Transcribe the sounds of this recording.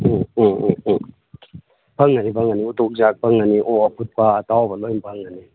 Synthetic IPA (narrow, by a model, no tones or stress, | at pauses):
pʰaŋːaɾipʰaŋaniutok̚zak̚paŋaniʔɔapʰut̚paːtawbalɔjnpʰaŋani